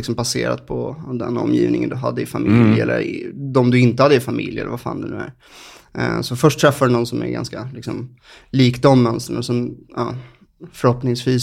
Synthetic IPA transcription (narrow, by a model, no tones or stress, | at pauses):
ɪksɔmpaseːɾa̰t̪̚pʰɔd̪ɛnɔ̰mːjiːvnɪŋənd̪ɵɦad̪ːəɪfamɪlɛlːə̰ɾd̪ɔmd̪ɵɪnt̪əhad̪ːəɪfamɪljɛ̰ləɾvafa̰ːnd̪ɛnʉ̟ːæɾ | sɔfœʂʈt̪ʰɾɛfːadɵnɔnsɔmæ̰ɾɡa̰nskalɪksɔm | liːkd̪ɔmːœnst̪ənɛsɔmɑ | fœɾhɔpnɪŋsviːs